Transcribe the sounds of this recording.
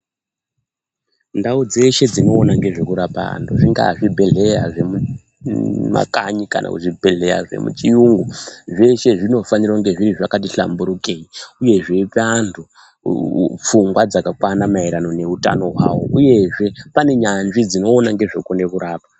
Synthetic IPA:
ndaud͡ze̞ʃe̞d͡zino̞ːnaŋɡe̞ʐe̞kuɾapa̰a̰ntʰuʐiŋɡa̰ʐibʱe̞ɮe̞jaʐe̞mu | ma̰kaɲika̰nʔa̰kuʐibʱe̞ɮe̞ja̰ʐḛmṵt͡ʃijuŋɡuʐe̞ʃe̞ʐino̞faniroŋɡe̞ʐiɾiʐakat̬iɬa̰mbuɾukeiuje̞ʐe̞pantʰu | p͡fuŋɡwad͡zakakwanamaiɾano̞ne̞uta̰no̞ɦwa̰wo̰ʔuje̞ʐe̞pane̞ɲanʐid͡zino̞ːnaŋɡe̞ʐokonde̞kuɾaːpḁ

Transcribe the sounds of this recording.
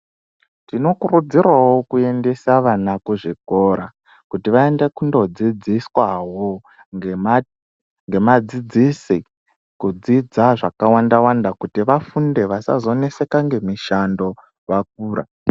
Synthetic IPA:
tino̞kurud͡zirwawo̞kue̞nde̞saʋanakuʐiko̞ɾa | kutiʋae̞nde̞kundo̞d͡zid͡ziswawo | ŋɡe̞mad͡zid͡zisi | kud͡zid͡zaʐakawandawandakutiʋafunde̞ʋasa̰zo̞ne̞se̞kaŋɡe̞miʃando̞ | wak̚uːɾa̰

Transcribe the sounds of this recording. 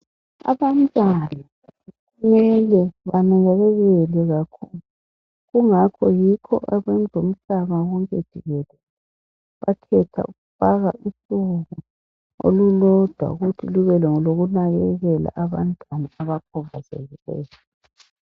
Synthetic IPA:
a̰βantʼwana | ɣumɛlɛβanaɣɛɣɛɣɛlɛɣakʰulu | ɣuŋakʰɔjikʰɔ̰ʔaβɛnd͡zʱom̩ɬaβaɣɔŋkʼed̥ʒ̥ʱiɣɛlɛ | βakʰɛtʰa̰uɣufaɣaʔusuɣu | o̰lulɔd̥ʱwa̰ɣutʰiluɣɛlɛŋɔloɣunaɣɛɣɛla̰ʔaβantʼwanaaβakʰɔβazɛ̰ɣilɛ̰ːjɔ

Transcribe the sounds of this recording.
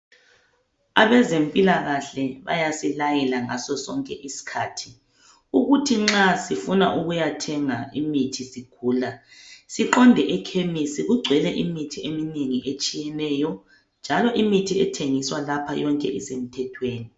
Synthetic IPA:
aβɛzempʼilaɣaɬɛβa̰jasilajɛlaŋasɔsɔŋkʼɛʔisi̥kʰaːtʰi̥ | uɣutʰiŋ͡ǁasifunaʔuɣujatʰɛŋaimitʰisiɡ̥ʱuːlasiǃɔndʱɛʔɛkʰemisiɣuɡ͡ǀʱwɛlɛʔimitʰiemineŋiʔet͡ʃʼijɛnɛjɔ | nd͡ʒʱalɔʔimitʰiɛtʰeŋiswalapʰajɔŋkʼɛ̰ʔisem̩tʰɛtʰweːni

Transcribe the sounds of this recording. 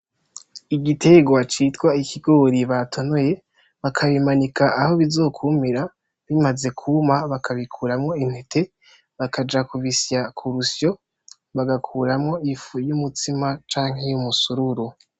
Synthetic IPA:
iɟitʰe̞ɡwat͡ʃitɡwaikʰiɡo̞ɾiβatʰo̞no̞je̞ | βakʰaβimanikaʔaho̞βizo̞ːkʰumiɾa | βimaze̞kʰumaβakʰaβikʰuːɾamŋo̞in̥e̞tʰe̞ | βakʰad͡ʒakuvisjakʰuɾusjo̞ | βaɡakʰuɾamŋo̞ifujumutimat͡ʃaːŋhe̞jumusuɾuɾu

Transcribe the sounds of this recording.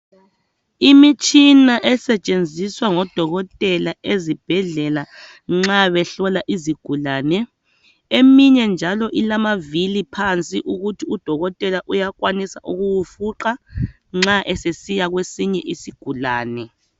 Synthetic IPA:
imit͡ʃʼinaʔɛsɛt͡ʃʼend͡zʱiswaŋɔd̥ʱɔɣɔtʼɛlaʔezib̥ʱɛɮɛla | ŋ͡ǁaβɛɬɔlaʔiziɡ̥ʱulaːnɛ | emiɲɛnd͡ʒʱalɔʔilamavilipʰant͡sʼiʔuɣutʰiud̥ʱɔɣɔtʼɛlaʔujakwanisa̰ʔuɣuwufuǃa | ŋ͡ǁaʔɛsesijaɣwesiɲɛʔisiɡ̥ʱulaːnɛ

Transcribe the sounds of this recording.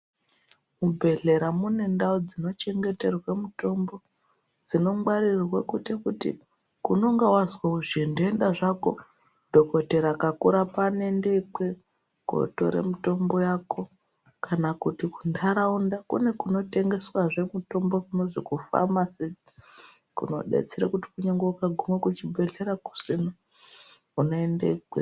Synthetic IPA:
mubʱe̞ɮe̞ɾamune̞ndaod͡zino̞t͡ʃe̞ŋɡe̞te̞rwamuto̞mbo̞ | d͡zino̞mwarirwakutekutḭ | kuno̞ŋɡawazwauʐindoendaʐako̞̰ | dʱo̞ko̞te̞ɾakakuɾapane̞ndek͡pwe̞ | ɡ̥ʱo̰to̞̰ɾḛmuto̞mbo̞jako̞ | kanakutiku̥ndʱaɾaundakṵne̞kuno̞te̞ŋɡe̞swaʐe̞muto̞mbo̞kuno̞ʐikufa̰mase | kṵno̞̰ɗḛt͡seɾakuti̥kuɲeŋɡoukaɡʱumwekut͡ʃibʱe̞ɮeɾaku̥sina | unoendḛikwe

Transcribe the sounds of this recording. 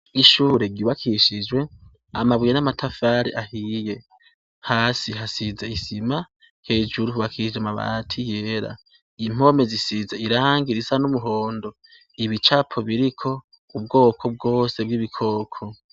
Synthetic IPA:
iʃuɾe̞ɡuːβakʰiʃid͡ʒwe̞ | amaβwijenamatʰafaːɾiʔahije̞ | haːsiɦasizaisima | he̞ːd͡ʒuɾuhuβakʰiʃid͡ʒamaβa̰tʰijeɾa̰ | im̥o̞me̞zisizaiɾaːŋɡiɾisanumuɦo̞ːndo̞ | iβit͡ʃapʰoβiɾikʰo̞ | ub̚ɡo̞ːkʰo̞b̚ɡo̞ːse̞bɡiβikʰo̞ːkʰo

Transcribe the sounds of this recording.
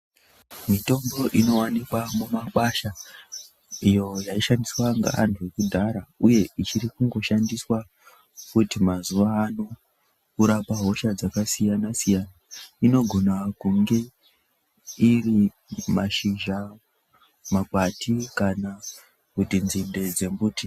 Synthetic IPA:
mito̞mbo̞ʔino̞wanikwamumakwaʃa | ijo̞jaiʃandiswaŋɡa̰a̰ntʰuekudʱaɾauje̞it͡ʃiɾikuŋɡo̞ʃandiswa | kutimazuʋaːno̞ | kuɾapaɦo̞ʃad͡zakasijanasijanaino̞ɡʱo̞nakuŋɡe̞ | iri | maʃiʒa | makwatʰikana | kutinzinde̞d͡ze̞mbuti

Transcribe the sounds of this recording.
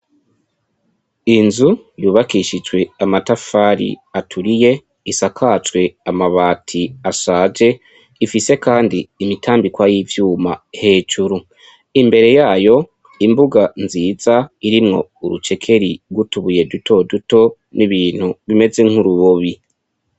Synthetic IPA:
inzujuːβakiʃid͡ʒwe̞amatafaːɾḭatʰuɾije̞ | isakʰat͡ʃwe̞amaβaːtʰiasaːd͡ʒe̞ | ifise̞kaːndiːmitʰaːmbikwajivjuːmahe̞ːd͡ʒuɾu | imbe̞ɾe̞jaːjo̞ | imbuɡanziːz̥aiɾimŋo̞̰uɾut͡ʃe̞kʰe̞ɾiɡutuβuje̞dutʰo̞duto̞ | niβiːn̥huβime̞d͡ze̞ŋ̥huɾuβoβi

